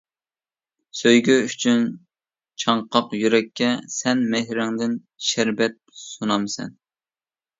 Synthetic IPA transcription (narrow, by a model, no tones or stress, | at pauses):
søjɡʲyyt͡ʃʰyn | t͡ʃʰɑɴqʰɑqjyɾɛkʲʰːɛsɛnmehɾɪŋd̪ɪn | ʃæɾbɛt̪̚sunɑmsɛ̰n